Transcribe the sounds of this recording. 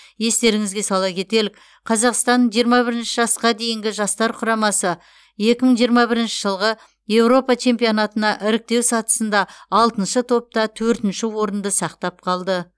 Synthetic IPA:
je̞st̪e̞ɾɪŋɪzɡʲe̞sɑlˠɑkʲʰe̞t̪e̞lɪkʲ | qʰɑzɑqst̪ɑnʒijəɾmɑbɪɾɪnʃɪʒɑsqɑd̪e̞jɪŋɡʲɪʒɑst̪ɑɾqʰʊɾɑmɑsə | je̞kʲɪməɴʒijəɾmɑbɪɾɪnʃɪʒəlˠʁə | je̞wɾo̞pɑt͡ʃʰe̞mpijonɑt̪ənɑʔɪɾɪk̚t̪e̞wsɑt̪ə̥sənd̪ɑːlˠt̪ənʃət̪ʰo̞p̚t̪ɑt̪ʰɵɾt̪ɪnʃɪwo̞ɾənd̪əsɑqt̪ɑp̚qʰɑlˠd̪ə

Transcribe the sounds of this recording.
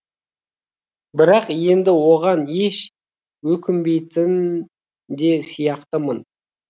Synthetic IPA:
bɪɾɑqje̞nd̪ɪwo̞ʁɑne̞ʃ | wɵkʲɪmbe̞jt̪ɪn | d̪e̞sijɑqt̪əmən

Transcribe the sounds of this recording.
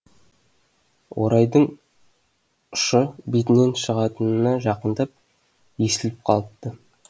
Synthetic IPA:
wʔo̰ɾɑjd̪əɴ | ʊ̥ʃəbit̪ɪne̞nʃəʁɑt̪ənənɑʒɑqənd̪ɑp̚ | je̞sɪlɪp̚qʰɑlˠəp̚t̪ːə

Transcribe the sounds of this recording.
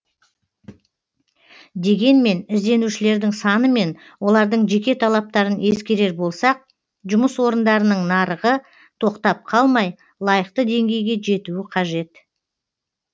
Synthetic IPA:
d̪e̞ɡʲe̞nme̞nɪzd̪e̞nuʃɪle̞ɾd̪ɪŋsɑnəme̞n | wo̞lˠɑɾd̪əɴʒe̞kʲe̞t̪ʰɑlˠɑp̚t̪ɑɾəne̞skʲe̞ɾe̞ɾbo̞lˠsɑq̚ | ʒʊməswo̞ɾənd̪ɑɾənəɴnɑɾəʁə | t̪ʰo̞qt̪ɑp̚qʰɑlˠmɑj | lˠɑjəqt̪əd̪e̞ŋɡʲe̞jɡʲe̞ʒe̞t̪uwɪqʰɑʒe̞t̪

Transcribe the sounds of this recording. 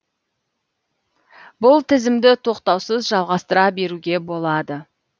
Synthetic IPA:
bʊlˠt̪ʰɪzɪmd̪ɪt̪ʰo̞qt̪ɑwsəzʒɑlˠʁɑst̪əɾɑbe̞ɾuɡʲe̞bo̞lˠɑd̪ə

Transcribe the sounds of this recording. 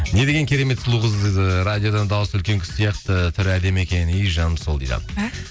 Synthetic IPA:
ne̞d̪e̞ɡʲe̞ŋkʲʰe̞ɾe̞me̞t̪slˠuʁəzɾad̪ijo̞d̪ɑnd̪ɑwəsʏlkʲe̞ŋkʲʰʏ̥ssijɑqt̪ət̪ʰʏɾæd̪e̞me̞kʲe̞nijʒɑnəmsolˠd̪ḭjd̪ɑ̰

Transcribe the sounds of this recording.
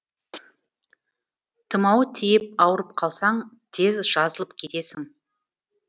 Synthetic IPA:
t̪ʰəmɑwt̪ʰijɪp̚ɑwəɾəp̚qʰɑlˠsɑɴ | t̪ʰe̞zʒ̥ɑzəlˠəpkʲʰe̞t̪e̞sɪŋ

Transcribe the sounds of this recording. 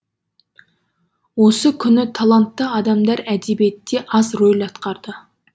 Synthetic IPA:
wo̞səkʲʰʏnɪt̪ʰɑlˠɑnt̪ːəɑd̪ɑmd̪ɑɾæd̪ebije̞t̪ːe̞ʔɑzɾojlɑt̪qɑɾd̪ə

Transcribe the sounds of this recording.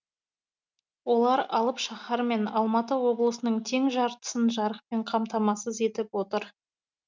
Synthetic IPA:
wo̞lˠɑɾɑlˠəpʃɑχɑɾme̞nɑlˠmɑt̪əwo̞blˠəsənəɴt̪ʰe̞ŋʒɑɾt̪ə̥sənʒɑɾəq̚pe̞ɴqʰɑmt̪ɑmɑsəze̞t̪ɪpwo̞t̪əɾ

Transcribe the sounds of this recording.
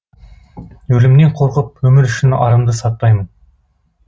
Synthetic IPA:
ɵlɪmne̞ɴqʰo̞ɾqəp̚wɵmɪɾʏʃɪnɑ̰ɾəmd̪əsɑt̪ːɑjmən

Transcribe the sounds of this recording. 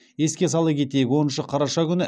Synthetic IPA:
je̞skʲe̞sɑlˠəpkʲʰe̞t̪e̞jkʲwo̞nənʃəqʰɑɾɑʃɑkʲʏnɪ

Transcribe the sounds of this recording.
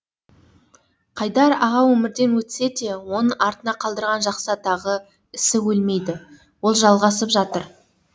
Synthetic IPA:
qʰɑjd̪ɑɾɑʁɑwɵmɪɾd̪e̞nwɵt̪ɪ̥se̞t̪e̞wonəɑɾt̪ənɑqʰɑlˠd̪əɾʁɑnʒɑqsɑt̪ʰɑʁə | ɪsɪwɵlme̞jd̪ɪ | wo̞lˠʒɑlˠʁɑsəpʒɑt̪əɾ

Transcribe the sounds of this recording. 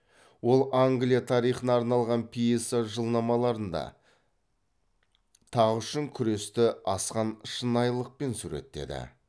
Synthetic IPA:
wo̞lˠaŋɡlʲijat̪ʰɑɾijχənɑːɾnɑlˠʁɑnpʰijesaʒəlˠnɑmɑlˠɑɾənd̪ɑ̰ | t̪ʰɑʁʏʃɪŋkʲʰʏɾe̞st̪ɪɑsqɑnəʃənɑjlˠəq̚pe̞nsuɾe̞̰t̪ːe̞̰d̪ɪ̰

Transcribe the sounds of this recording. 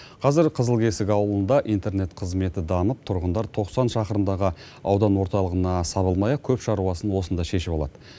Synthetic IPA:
qʰɑzɪɾqʰəzəlˠkʲʰe̞sɪkʲɑwəlˠənd̪ɑʔijnt̪e̞ɾne̞t̪qʰəzme̞t̪ɪd̪ɑməp̚t̪ʰʊɾʁənd̪ɑɾt̪ʰo̞qsɑnʃɑqəɾəmd̪ɑʁə | ɑwd̪ɑnwo̞ɾt̪ɑlˠəʁənɑsɑβəlˠmɑjɑkʲʰɵpʃɑɾuɑsənwo̞sənd̪ɑʃe̞ʃɪbolˠɑ̰d̪ə

